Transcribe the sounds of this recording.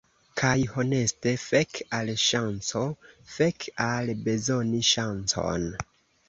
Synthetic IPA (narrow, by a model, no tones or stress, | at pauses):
kʰajho̞ne̞ste̞fekalʃant͡so̞fe̞kalbe̞zo̞niʃant͡so̞̰n